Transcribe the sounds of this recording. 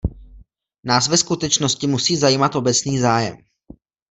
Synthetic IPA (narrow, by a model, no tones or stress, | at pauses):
naːsvɛskut̪ɛt͡ʃno̞scɪmusiːzajiːmat̪ʔo̞bɛt͡sniːzaːjɛ̰m